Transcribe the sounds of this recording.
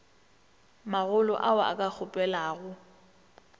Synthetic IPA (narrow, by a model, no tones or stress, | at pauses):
maɣʊlɔ̰ʔaaa̰kʼak͡xʰʊpʼɛlaːɣʊ